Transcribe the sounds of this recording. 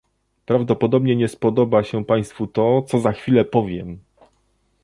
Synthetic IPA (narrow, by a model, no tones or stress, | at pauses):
pɾavd̪ɔpɔd̪ɔbɲɛɲɛspɔd̪ɔbaɕɛpaj̃st̪fut̪ɔt̪sɔzaxfʲilɛpɔvʲjɛm